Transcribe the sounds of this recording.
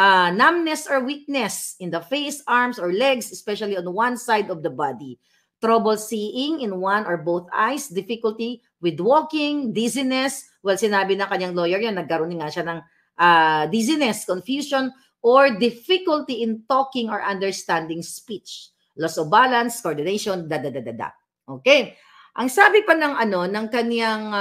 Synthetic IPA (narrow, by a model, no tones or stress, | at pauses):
ʔanamnɛsɔɹwik̚nɛsɪ̃nd̪ɐfejsaɹmsɔɹlɛɡsɛspɛʃɐliɔ̃nwãnsajd̪ɔfd̪ɐbad̪i | t̪ɾɐbɛlsiːʔɪŋɪ̃nwanɔɹbowθʔa̰jsd̪ɪfɪkʊlt̪i | wɪd̪woːkɪŋd̪izɪnɛs | wɛlsɪnaːbɪnɐŋkɐɲaŋlojɛɹjonːɐɡ̚kɐɾonɪŋːaʃanɐŋ | ʔad̪izɪnɛskonfjuːson | ʔoɹd̪ɪfɪkʊlt̪iʔɪnt̪okɪŋɔɹʔɐnd̪ɛɹst̪and̪ɪŋspit͡ʃ | lɔsʔɔvbalɐnskoʔoɹd̪ɪnejʃond̪ad̪ad̪ad̪ad̪a̰ | ʔoːkej | ʔɐŋsaːbɪpɐnɐŋʔɐno̞nɐŋkɐnjaŋ